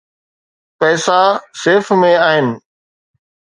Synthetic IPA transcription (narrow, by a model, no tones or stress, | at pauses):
pɛːsaseːfmẽaːɦɪnɪ̆